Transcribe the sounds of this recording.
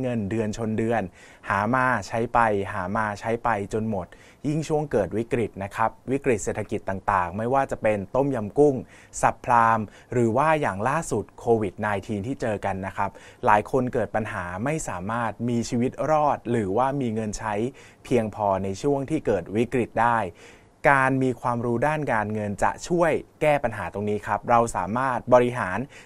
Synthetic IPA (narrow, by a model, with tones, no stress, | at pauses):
ŋɤ˧ndɯ˧ənt͡ɕʰo˧ndɯ˧ənhaː˩˦maː˧t͡ɕʰa˦˥jpa˧jɦaː˩˦maː˧t͡ɕʰa˦˥jpa˧jt͡ɕo˧nmo˨˩t̪̚ | ji˥˩ŋt͡ɕʰu˥˩əŋkɤː˨˩t̪̚wi˦˥kɾi˨˩t̪̚na˦˥kʰa˦˥p̚wi˦˥kɾi˨˩t̪̚seː˨˩t̪ʰa˧ki˨˩t̪ːa˨˩ŋt̪aː˨˩ŋma˥˩jwaː˥˩t͡ɕa˨˩pe˧nt̪o˥˩mja˧mku˥˩ŋsa˨˩pʰlaː˧m | ɾɯː˩˦waː˥˩jaː˨˩ŋlaː˥˩su˨˩t̪̚kʰoː˧wi˨˩t̪̚naː˧jt̪ʰiː˧nt̪ʰiː˥˩t͡ɕɤː˧ka˧nːa˦˥kʰɾa˦˥p̚laː˩˦jkʰo˧nkɤː˨˩t̪̚pa˧nɦaː˩˦ma˥˩jsaː˩˦maː˥˩t̪̚miː˧t͡ɕʰiː˧wi˦˥t̪̚ɾɔː˥˩t̪̚ɾɯː˩˦waː˥˩miː˧ŋɤ˧nt͡ɕʰa˦˥j | pʰi˧əŋpʰɔː˧na˧jt͡ɕʰu˥˩əŋt̪ʰiː˥˩kɤː˨˩t̪̚wi˦˥kɾi˨˩t̪̚daː˥˩j | kaː˧nmiː˧kʰwaː˧mɾuː˦˥daː˥˩nkaː˧nŋɤ˧nt͡ɕa̰˨˩ʔt͡ɕʰu˥˩əjkɛː˥˩pa˧nɦaː˩˦t̪o˧ŋniː˦˥kʰɾa˦˥p̚ɾa˧wsa̰ː˩˦maː˥˩t̪̚bɔː˧ɾi˦˥ɦaː˩˦n